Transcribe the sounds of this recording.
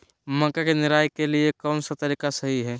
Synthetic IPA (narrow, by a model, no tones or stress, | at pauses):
mə̃kakenɪɾaːjkeliekɔːnsɐt̪əɾiːkasɐɦiɦɛː